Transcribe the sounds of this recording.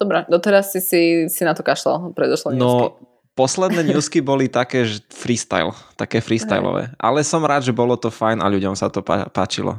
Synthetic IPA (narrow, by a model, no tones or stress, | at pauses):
d̪̥ɔbɾɛd̪ɔt̪ɛɾasːisisinat̪ɔkaʃla̰lpɾɛd̪ɔʃlɔnuɔki | pɔslɛd̪nɛːɲuːskibɔlit̪akɛːʒɛfɾist̪a̰jlt̪akɛːfɾist̪a̰jlɔ̰ʋɛ̰ːʔa̰lɛsɔmɾaːd̪ʒɛbɔlɔt̪ɔfajna̰ʎuɟɔmsat̪ɔpa̰paːt͡ʃḭlɔ̰